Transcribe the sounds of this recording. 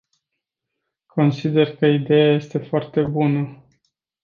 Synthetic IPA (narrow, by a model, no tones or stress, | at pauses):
kʰo̞nsid̪e̞rkəid̪e̞jaje̞st̪e̞foart̪e̞bunə